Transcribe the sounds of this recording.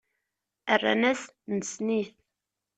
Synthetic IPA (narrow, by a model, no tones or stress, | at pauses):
ərːa̰næsnəsniθ